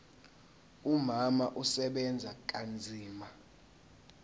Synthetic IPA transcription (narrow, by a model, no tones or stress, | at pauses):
umamaʔusɛɓɛnd͡zʱak̬ʼand͡zʱiːma